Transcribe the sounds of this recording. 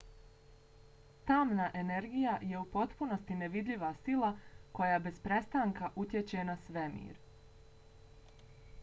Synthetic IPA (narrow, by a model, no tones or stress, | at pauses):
t̪aːmnaʔe̞ne̞ɾɡijaje̞upo̞t̪puno̞st̪ine̞ʋid̪ʎiʋasilˠako̞jaːbe̞zpɾe̞st̪aːŋkaʔut̪jet͡ɕe̞nasʋe̞mḭːɾ